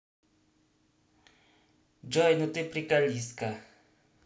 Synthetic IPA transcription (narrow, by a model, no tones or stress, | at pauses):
d͡ʒɔjnut̪epɾikaliska